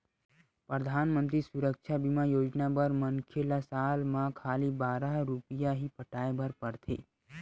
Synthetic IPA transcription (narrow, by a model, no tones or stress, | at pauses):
pɾəd̪ʱaːnmə̃nt̪̬ɾisʊɾəkʃʰabimajoːd͡ʒnabəɾmənkʰelasaːlmãkʰaːlibaːɾaɦɾʊpijaɦipəʈaːebʱəɾpəɾt̪ʰḛː